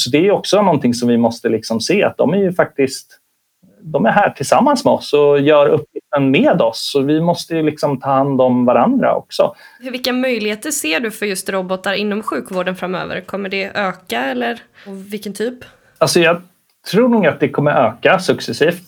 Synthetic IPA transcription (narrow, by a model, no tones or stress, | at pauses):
sɔd̪ɛæːɾjɵɔksɔnɔnt̪ʰɪŋsɔmvɪmɔst̪əlɪksɔmseːa̰t̪̚d̪ɔ̰mæɾjɵfak̚t̪ɪst̪ | d̪ɔmæɾɦæːʈʰɪlsamːansmɛɔsɔjœːɾɵpːjɪft̪ənmeːd̪ɔsɔvɪmɔst̪əjɵlɪksɔmt̪ʰɑːhand̪ɔmvaɾand̪ɾa̰ʔɔ̰ksɔ̰hɵɾvɪlkːamœjlɪheːt̪əseːɖɵfœɾjɵst̪ɾɔbɔt̪aɾɪnːɔmɧʉ̟ːkvoːɖənfɾamːø̰ːvə̰ɾkʰɔmːəɖɛøːkaɛlːəɾ | vɪlkənt̪ʰyːp | alsɔjɑː | t̪ʰɾuːɳuːɡat̪̚d̪ɛkʰɔmːəɾʔøːkasɵksɛsiːft̪